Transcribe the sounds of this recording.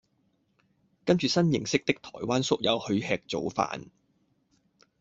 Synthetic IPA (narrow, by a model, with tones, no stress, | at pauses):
kɐ˥nt͡ʃyː˨sɐ˥njɪ˨˩ŋsɪ˥k̚t̪ɪ˥k̚t̪ʰɔː˨˩jwaː˥nsʊ˥k̚jɐ˨˧whɵ˨˧ɥhɛː˨˧k̚t͡so˨˥wfa̰ː˨˥n